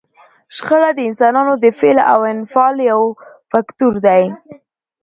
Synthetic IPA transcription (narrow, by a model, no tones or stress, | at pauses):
ʃxəɽad̪əɪnsɑnɑnod̪əfela̰wɪnfɑljawfakt̪uɾd̪aj